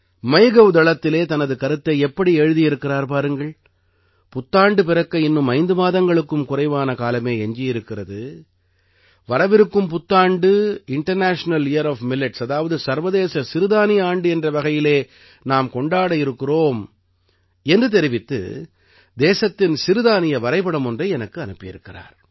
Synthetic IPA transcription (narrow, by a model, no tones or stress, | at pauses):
mɐɪɣɐʋd̪ɐɭɐt̪ːɪleːt̪ɐnɐðɯkɐɾɯt̪ːɐɪɛpːɐɽiɛɻɯðijɪɾɯkːɪraːɾpaːɾɯŋɡɐɭ | pʊt̪ːaːɳɖɯpɪɾɐkːɐɪnːɯmɐɪnd̪ɯmaːðɐŋɡɐɭɯkːɯmkʊrɐɪʋaːnɐkaːlɐmeːɛɲd͡ʒɪjɪɾɯkːɪrɐðɯ | ʋɐɾɐʋɪɾɯkːɯmpʊt̪ːaːɳɖɯɪɳʈɐɾnaːʂnɐlɪjɐɾaːfmɪlɪʈsɐðaːʋɐðɯsɐɾʋɐðeːsɐsɪɾɯðaːnɪjɐaːɳɖɯɛndrɐʋɐɣɐjɪleː | naːmkɔɳɖaːɽɐjɪɾɯkːɪroːm | ɛndrɯt̪̬ɛɾɪʋɪt̪ːɯ̰ | d̪eːsɐt̪ːɪnsɪɾɯðaːnɪjɐʋɐɾɐɪpɐɽɐmɔndrɐɪɛnɐkːɯɐnɯpːɪjɪ̰ɾɯkːɪra̰ːɾ